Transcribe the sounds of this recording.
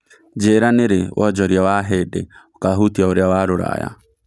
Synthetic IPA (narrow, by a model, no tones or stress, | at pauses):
d͡ʒeɾaneɾewʔɔd͡ʒɔɾjawaɦedḛokaɦut̪iaoɾjawaɾoɾa̰ja̰